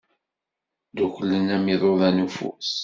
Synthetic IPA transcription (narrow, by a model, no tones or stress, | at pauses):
d̪uçəlːənæmiðˤoðænufṵs